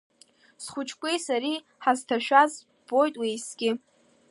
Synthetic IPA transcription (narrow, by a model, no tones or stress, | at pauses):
sχʷʊt͡ʃʰʼkʷʼejsaɾi | ħaztʰaʃᶣaz | b̥o̞jtʼwejsɡʲɪ